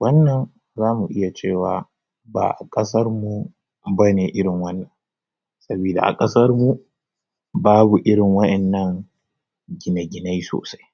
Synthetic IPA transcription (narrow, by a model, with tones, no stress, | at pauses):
wɐ˦nːɐ˨n | zaː˦mu˨ʔɪ˦ja˨t͡ʃeː˦˨waː˨ | ba̰ː˨ʔa˨kʼɐ˦sɐ˦rmu˨ | bɐ˦neː˨ʔɪ˦ɽɪ˨ŋwɐ˦nːɐ˨n | sɐ˦biː˨da̰˨ʔa̰˨kʼɐ˦sɐ˦rmu˦ | baː˦bu˨ʔɪ˦ɽɪ˨ŋwɐ˦ɗɛ˨nːɐ˦ŋ | ɡʲɪ˨na˨ɡʲɪ˨na˦jso̰ː˨sa˦j